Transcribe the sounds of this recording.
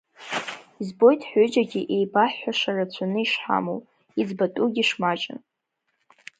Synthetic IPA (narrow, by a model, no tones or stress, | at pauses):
izbo̞jtʰʼħʷʊd͡ʒaɡʲiʔe̞jbaħʷːaʂarat͡ɕʷʰanɨiʂħa̰mow | id͡zbatʼuɡʲiʂmat͡ʃʼɪ̰n